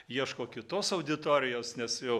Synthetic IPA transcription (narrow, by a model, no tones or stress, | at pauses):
jiɛʃkoːkʲɪt̪oːsɐʊd̪ʲɪt̪oːɾʲɪjoːsnʲɛsjɛʊ